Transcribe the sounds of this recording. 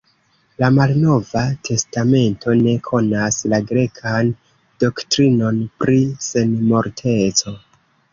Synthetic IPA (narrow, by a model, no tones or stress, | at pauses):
lamalno̞vatʰe̞stame̞ntʰo̞ne̞kʰo̞naslaɡɾe̞kʰan | d̥o̞ktɾino̞npɾise̞nmo̞ɾtʰe̞t͡so̞